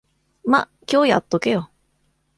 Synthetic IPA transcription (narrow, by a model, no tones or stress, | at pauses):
ma̰ | kʲo̞ːja̰t̪ːokejo